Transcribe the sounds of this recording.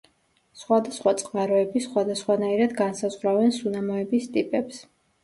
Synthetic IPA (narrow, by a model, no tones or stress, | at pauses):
sχwad̪asχwat̪sʼqʼmaɾɔɛbisχwad̪asχwanaiɾad̪ɡansazʁɾavɛnsunamɔɛbist̪ʼipʼɛps